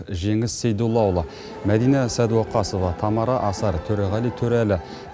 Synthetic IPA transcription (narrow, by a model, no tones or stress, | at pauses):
ʒe̞ŋɪst̪sejd̪ulˠɑwlˠɑ | mæd̪ijnɑsæd̪woqɑsəvɑt̪ʰɑmɑɾɑʔɑsɑɾt̪ʰɵɾoʁɑlit̪ʰɵɾælɪ